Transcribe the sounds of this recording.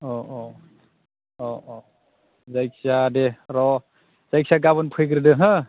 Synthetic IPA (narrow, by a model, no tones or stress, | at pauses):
ɔʔɔ | ɔʔɔ | zajksadeɾɔ | zajksaɡaβɔnpʰɯjɡɯɾɯdɯɦɯ